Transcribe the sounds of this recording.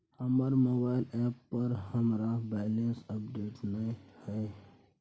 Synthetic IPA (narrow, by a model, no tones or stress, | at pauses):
həməɾmoːbaːɪlɛːpːəɾɦəmɾabɛːlensəpɖeːʈnə̃həe